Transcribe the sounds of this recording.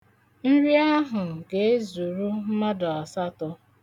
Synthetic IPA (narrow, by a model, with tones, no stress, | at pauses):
n̩˦ɾi˦a˦ɦʊ˨ɡe˨e˦zu˨ɾu˦m̩˦ma˦dɔ˨a˨sa˦tɔ˦